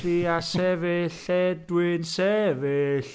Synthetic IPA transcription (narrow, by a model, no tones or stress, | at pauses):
ɾiasɛveɬɛdwɪnsɛveɬ